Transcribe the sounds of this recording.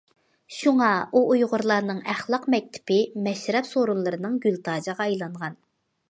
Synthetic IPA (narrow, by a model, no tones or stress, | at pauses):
ʃuŋɑuʔujʁʊɾlˠɑɾnɨŋæχlˠɑqmɛk̚ʲt̪ʰɪ̥pɪmɛʃɾɛpsoɾunlˠɨɾɨnɨŋɡʲylt̪ʰɑːd͡ʒəʁɑɑjlˠɑɴʁɑn